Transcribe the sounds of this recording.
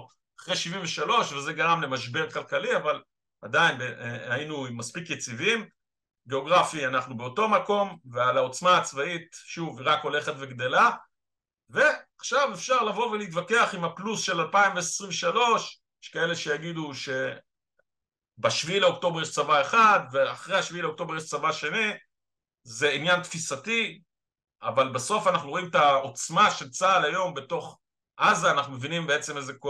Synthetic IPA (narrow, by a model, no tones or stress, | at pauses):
aχʁeʃivimveʃalo̞ʃvezeɡaʁamle̞maʃbe̞ʁkalkaliaval | adainbeainumaspikjet͡sivim | ɡeo̞ɡʁafianaχnubeo̞to̞mako̞mvealaot͡smaːt͡svait̪ʃuvʁako̞le̞χet̪ve̞ɡd̪e̞la | ve̞aχʃavefʃaʁlavo̞veliit̪̬vake̞aχimhaplusʃe̞lalpaimveesʁimveʃalo̞ʃjjɛ̥ʃkae̞le̞ʃe̞jaɡid̪uʃe̞ | baʃviileok̚t̪o̞bejɛʃt͡savae̞χad̪veaχʁejhaʃviileok̚t̪o̞bejɛʃt͡savaʃeni | ze̞injant̪fisati | avalbaso̞fanaχnuo̞imet̪aot͡smaʃelt͡saːlajo̞mbe̞to̞χ | ʔazaːnaχnumevinimbeet͡se̞mezeko